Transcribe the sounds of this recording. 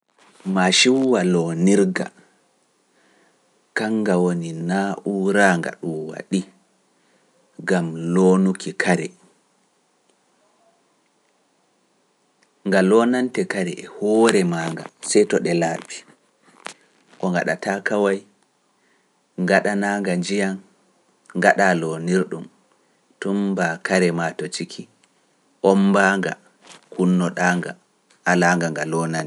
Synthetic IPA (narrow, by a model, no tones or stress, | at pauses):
maʃiwwalɔniɾɡa̰ | kaŋɡawoninaːʔuɾaŋɡa̰ɗumwa̰ɗi | ɡamlonukʰikʰaɾɛ | ŋɡalɔnantɛkaɾɛ̰ʔɛhɔːɾɛmaːŋɡa̰sɛjtɔɗɛlaːbi | kɔŋɡa̰ɗa̰takawaj | ŋɡaɗanaːŋɡaɲd͡ʒijan | ŋɡaɗalɔniɾɗum | tumbakaɾɛmatɔt͡ʃikʰi | ʔɔmbaŋɡa̰ | kunːɔɗaːŋɡa̰ | ʔalaŋɡaŋɡalɔnantɛ